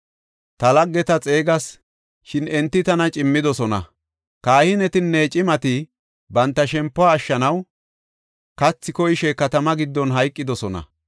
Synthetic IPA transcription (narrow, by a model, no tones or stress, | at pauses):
t̪ɐlɐɡːɛt̪ɐt͡sʼe̞ːɡɐs | ʃɪnɛnt̪ːɪt̪ɐnɐt͡ʃʼɪmːɪd̪ɔsɔnɐ̰ | kaːhɪnɛt̪ɪnːet͡ʃʼɪmɐt̪ɪ | bɐnt̪ːɐʃɛmpːɔaːʃːɐnɐw | kɐt͡sːɪkɔjɪʃɛkɐt̪ɐmɐɡɪd̪ːɔnɦɐjkʼːɪd̪ɔsɔnɐ̰